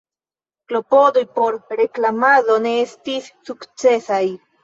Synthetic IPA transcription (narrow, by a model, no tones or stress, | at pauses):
klo̞po̞do̞jpo̞ɾɾe̞klamado̞ne̞estisːukt͡se̞saj